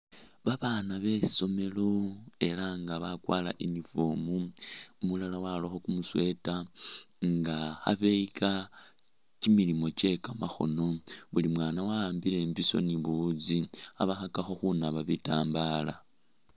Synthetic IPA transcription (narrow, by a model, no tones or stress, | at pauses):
βaβaːnaβe̞so̞me̞lo̞e̞laŋɡaβakwa̰ːla̰ʔinifomumulalawaloxo̞kumuswe̞ta | ŋɡaxa̰βe̞ika | t͡ʃimilimo̞t͡ʃe̞kamaxo̞̰no̞βulimwaːnawaːmbile̞mbiso̞̰niβud͡zia̰βaxakaxo̞xunaβaβitaːmbaːla̰